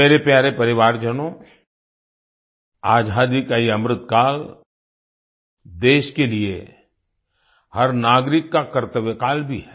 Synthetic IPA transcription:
ɛːɾepjaːɾepɐɾɪʋaːɾd͡ʒənõ | aːd͡ʒʱaːd̪ikaiɐmɾɪt̪kaːl | d̪eːʃkeliḛ | hɐɾnaːɡɾɪkːakɐɾt̪əʋkaːlbʱiɦɛː

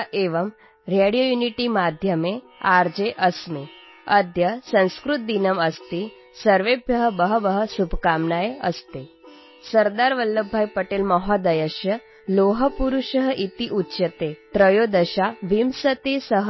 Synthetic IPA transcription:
ʔeʋəm | ɾeɽijojuniʈimad̪ʱjəmeaɾd͡ʑeʔəsmi | əd̪ʱjəsə̃w̃skɾut̪̚d̪inəməst̪i | səɾʋebʱjəɦəbəɦəbəɦəsubʱkamnajə̰st̪e | səɾd̪aɾʋəlːəbʱːajpəʈeːlmɔɦɔd̪əjəʃjə | loɦəpuɾuʃəɦəʔit̪iʔutːɕət̪et̪ɾəjod̪əɕaʋimsət̪esəɦ

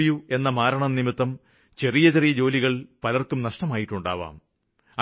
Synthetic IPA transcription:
jue̞nːɐmaːɾɐɳɐnnimit̪ːɐm | t͡ɕe̞rijɐt͡ɕerijɐd͡ʑo̞ːliɣɐɭpɐlɐrkumnɐʂʈɐmaːjiʈːuɳɖa̰ːʋa̰ːm | ɐ

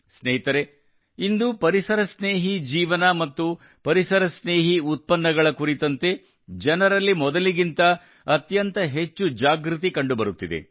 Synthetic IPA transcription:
snɛɦit̪ɐɾe̞ | ind̪upɐɾisɐɾɐsneːɦid͡ʒiːʋɐnɐmɐt̪ːu | pɐɾisɐɾɐsneːɦiut̪̚pɐnːɐɡɐɭɐkuɾit̪ɐnt̪e̞ | d͡ʒɐnɐɾɐlːimɔd̪ɐliɡint̪ɐ | ɐt̪jɐnt̪ɐɦe̞t͡ʃːud͡ʒaːɡɾut̪̬ikɐɳɖubɐɾut̪ːid̪ḛ

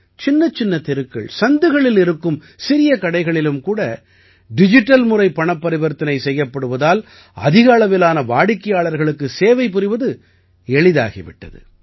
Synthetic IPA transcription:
t͡ʃɪnːɐt͡ʃːɪnːɐt̪ɪɾɯkːɐ̰ɭsɐnd̪ɯɣɐɭɪlɪɾɯkːɯm | sɪɾɪjɐkɐɽɐɪɣɐɭɪlɯmkuːɽɐ | ɖɪd͡ʒɪʈːɐlmʊɾɐɪpːɐɳɐpːɐɾɪʋɐɾt̪ːɐnɐɪsɛjːɐpːɐɽɯʋɐðaːl | ɐ̰ðɪɣaːɭɐʋɪlaːnɐʋaːɽɪkːɐjaːɭɐɾɣɐɭɯkːɯseːʋɐɪpːɪɾɪʋɐðɯ | ɛɭɪða̰ːɣḭʋɪ̰ʈːɐ̰ðɯ̰

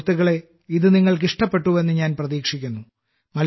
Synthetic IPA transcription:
t̪ːiɣɐɭe̞ | iðɨniŋːɐɭk̬iʂʈɐpːe̞ʈːuʋe̞nːɨɲaːnprɐðiːkʂikʲːunːu | mɐl

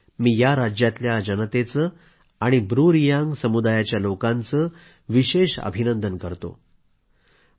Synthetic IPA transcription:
miːjaɾad͡ʑjat̪ljad͡ʑənət̪et͡səː | aɽ̃ibɾuɾijaŋɡsəmud̪ajat͡ɕjalokãnt͡səː | ʋiɕeɕə̰bʱinənd̪ənkəɾt̪o̰

